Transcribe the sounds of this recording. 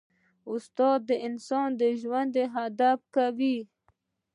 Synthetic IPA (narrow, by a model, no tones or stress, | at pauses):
ʊst̪ɑːd̪ːəɪnsɑnd̪əʒwand̪eɦad̪ap̚kawi